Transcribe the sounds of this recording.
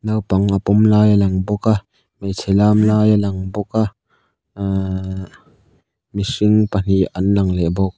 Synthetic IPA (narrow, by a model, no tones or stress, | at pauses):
nawpɐŋapɔmlaːjalɐŋbɔkaʔ | mejt͡sʰɛlaːmlaːjalɐŋbɔka | misɪŋpan̥ianlɐŋlɛbɔk̚